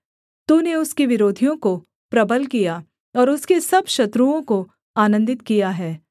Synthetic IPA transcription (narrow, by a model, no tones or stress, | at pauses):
t̪uːneʊskiʋɪɾoːd̪ʱijõko | pɾɐbəlkija | ɔːɾʊskesɐbʱʃɐt̪ɾuõko | aːnə̃nd̪ɪt̪kijaɦɛː